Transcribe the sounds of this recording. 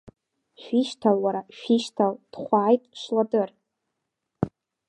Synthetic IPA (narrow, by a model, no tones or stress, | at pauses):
ʃᶣiʃtʰalwaɾaʃᶣiʃtʰald̥χʷaːjtʼʃladɨr